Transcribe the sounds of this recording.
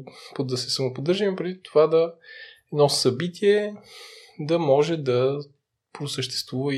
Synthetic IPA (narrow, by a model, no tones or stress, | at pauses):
pod̪ɐsɛsəmopod̪ɤɾʒimpɾɛd̪it̪ovad̪ɐɛd̪nɔsɐbit̪ʰiɛ | d̪ɐmɔʒɛd̪ɐ | pɾosəʃt̪ɛ̥st̪vuvə